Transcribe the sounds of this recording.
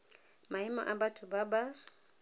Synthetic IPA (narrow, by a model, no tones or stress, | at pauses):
maimɔ̰ʔabatʰʊbaba